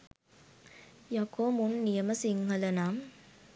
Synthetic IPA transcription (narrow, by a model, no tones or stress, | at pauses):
jɐkoːmunːijəməsiŋɦɐlɐnaːm